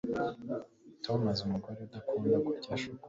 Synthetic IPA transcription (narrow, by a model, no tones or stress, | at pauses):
tonazumuɡaɾed̪akuːndakucaʃuk